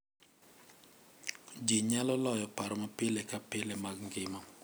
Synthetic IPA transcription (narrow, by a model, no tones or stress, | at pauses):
d͡ʒiɲalɔlɔjɔpaɾɔmapelekapɪlemaɡŋɡɪmɔ